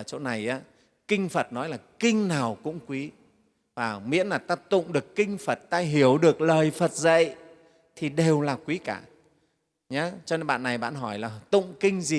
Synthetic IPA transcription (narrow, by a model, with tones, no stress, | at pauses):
ə˧˩t͡ɕo˧wna˨˩jʔaː˨˦ | kï˧ŋ̟fə˨˩t̚nɔ˨˦jlaː˨˩kï˧ŋ̟naː˨˩wkʊ̰˧˥ŋ͡mkwi˨˦ | vaː˨˩mḭ˧˥ənlaː˨˩t̪aː˧p̚t̪ʊ̰˧˨ŋ͡mɗɨ˨˩əkːï˧ŋ̟fə˨˩t̚t̪aː˧ɦi˧˩əwɗɨ˨˩ək̚ləː˨˩jfə˨˩t̚zə̰˧˨j | t̪ʰi˨˩ɗe˨˩wlaː˨˩kwi˨˦kaː˧˩ | ɲa˨˦t͡ɕɔ˧ne˧nɓa̰ː˧˨nːa˨˩jɓa̰ː˧˨nɦɔ˧˩jlaː˨˩t̪ʊ̰˧˨ŋ͡mkï˧ŋ̟zi˨˩